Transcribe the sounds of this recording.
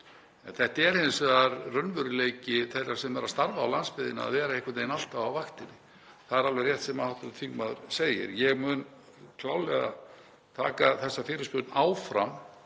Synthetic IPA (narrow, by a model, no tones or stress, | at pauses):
ɛnθɛht̪aɛɾhensɛðaɾrœnvʏɾɪleːjcɪθɛrːḁsɛmɛɾast̪aɾvaːwlanspɪðɪnaa̰ðvɛːɾaejhkʰvat̪ejnal̥t̪avawvaxt̪ɪnːɪ | θaðɛɾalvejrjɛht̪sɛmahawht̪ʏɾt̪ʰiŋkmaðʏɾ̥seːjɪ̰ɾjɛɣmʏn | kʰlaːwlɛɣa̰ | t̪ʰaːkaθɛsːafɪːɾɪspʏːt̪naːwfɾa̰m